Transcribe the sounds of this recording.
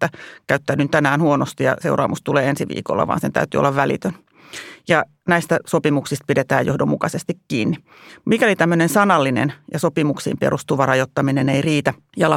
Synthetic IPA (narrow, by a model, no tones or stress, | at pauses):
ækæyt̪ːæːnynt̪ænæːnhuonost̪ijɑ̰se̞urɑ̰ːmʔust̪uleːensiʋḭːko̰lːɑ̰ʋɑ̰ːnsent̪æ̰yt̪yo̰lːɑʋʋælḭt̪øn | jɑ | næist̪æsopimuksist̪̚pidet̪æ̰ːjohdomːukɑsest̪ikkiːnːi | mikælit̪æmːønensɑnɑlːinḛnjɑsopimuksḭːmpḛrust̪uʋɑrɑjot̪ːɑmineneiriːt̪æ | jɑlɑ